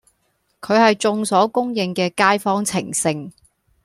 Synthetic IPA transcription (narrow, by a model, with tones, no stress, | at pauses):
kʰɵ˨˧ɥhɐ˨jt͡sʊ˧ŋsɔː˨˥kʊ˥ŋjɪ˧ŋkɛː˧kaː˥jfɔː˥ŋt͡sʰɪ̰˨˩ŋsɪ˧ŋ